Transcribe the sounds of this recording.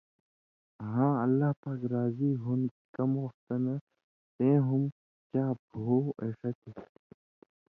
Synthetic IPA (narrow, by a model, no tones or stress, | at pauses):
ɦãːɐlːaːɦpaːkɾaːziːɦun | kɐmoːft̪ɐnɐ | t̪ẽːɦum | kaːbʱoːeːʂɐt̪e